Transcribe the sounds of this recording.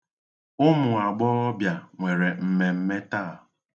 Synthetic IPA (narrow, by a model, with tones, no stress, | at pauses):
ʊ˦mʊ˨a˨ɡ͡bɔ˦ɔ˦bja˨ŋʷe˨ɾe˨m̩˨me˨m̩˦me˦ta˦˨